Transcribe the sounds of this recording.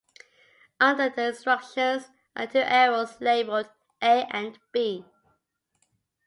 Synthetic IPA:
ʌ̃ndəðəɪ̃nstɹ̥ʌkʃə̃nz | ə̰tʰʉʔɛɹəzleɪbəld | ʔeɪʔə̃nb̥i

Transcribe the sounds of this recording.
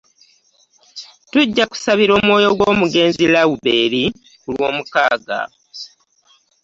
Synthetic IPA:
tuɟːaku̥saβiɾo̞ːmwo̞ːjo̞ɡwoːmuɡe̞ːnzilawube̞ːɾi | kulwo̞ːmukaːɡa̰

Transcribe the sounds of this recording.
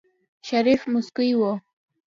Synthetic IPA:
ʃaɾifmʊskʊjwo

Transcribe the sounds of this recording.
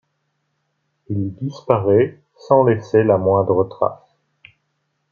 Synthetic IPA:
ild̪ispaʁɛ | sɑ̃leselamwɛ̃d̪ʁət̪χa̰s

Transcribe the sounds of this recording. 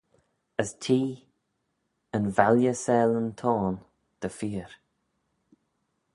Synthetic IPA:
əstʰiː | ənvaljəsɛːlənt̪ʰɔːn | d̪̥əfiːɾ

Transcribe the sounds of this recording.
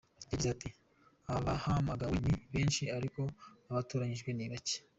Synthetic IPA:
ɟiɡizati | aβahamaɡawiɲiβeːnʃiaɾiko̞aβatuːɾaɲiʒɡwe̞niβace̥

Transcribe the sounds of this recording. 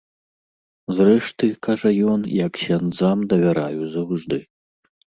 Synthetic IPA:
zrɛʂt̪ɨkaʐɐjɔnjɐkɕʲand̪zamd̪ɐvʲaɾajuzɐwʐd̪ɨ

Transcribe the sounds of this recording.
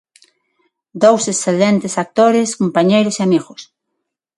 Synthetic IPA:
d̪owsesθelent̪esak̚t̪oɾeskompaɲejɾoseamiɣos

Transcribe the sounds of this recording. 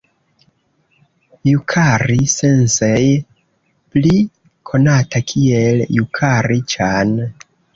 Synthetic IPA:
jukʰaɾise̞nsej | pli | kʰo̞natakʰieljukʰaɾit͡ʃan

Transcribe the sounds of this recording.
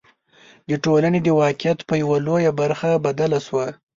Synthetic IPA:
d̪əʈolaned̪əwɑkɪjat̪pəjawalojabaɾxabad̪alaswa

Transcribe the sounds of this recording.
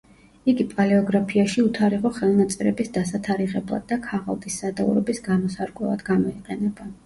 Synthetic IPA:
iɡipʼalɛɔɡɾapʰiaʃiut̪ʰaɾiʁɔχɛlˠnat̪sʼɛɾɛbisd̪asat̪ʰaɾiʁɛblˠa̰d̪ːakʰaʁa̰lˠd̪ʼisːad̪aṵɾɔbisɡamɔsaɾkʼwɛ̰lˠa̰d̪ɡamɔiqʼɛnɛba

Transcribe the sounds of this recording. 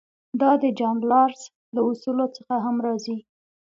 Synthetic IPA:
d̪ɑd̪əd͡ʒaŋɡlɑɾs | laʊsulot͡səxaɦamɾɑzi

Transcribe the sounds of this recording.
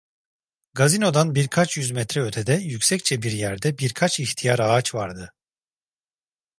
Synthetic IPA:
ɡazino̞d̪anbiɾkʰat͡ʃjyzmɛt̪ɾɛøt̪ʰed̪ɛjycsɛc̚t͡ʃʰɛbiɾjæɾd̪ɛbiɾkʰat͡ʃixt̪ʰijaɾaːt͡ʃvaɾd̪ɯ

